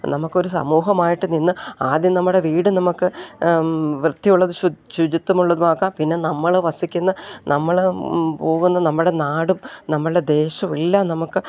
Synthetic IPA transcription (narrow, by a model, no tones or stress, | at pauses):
nɐmukːo̞ɾusɐ̰muːɦɐmaːjiʈːɨninːɨaːd̪jɐmnɐmːuɽe̞ʋiːɽɨnɐmukːɨ | ʋrɨd̪̥ʱːijuɭːɐðuuɕud͡ʑit̪ːɐmuɭːɐðumaːkːaːmpinːe̞nɐmːɐɭʋɐsikʲːunːɐnʔɐmːɐɭpo̞ːɣunːɐnɐmːɨɽe̞naːɽumnɐmːɐɭɽed̪e̞ːɕɐmilːɐnɐmukːɨ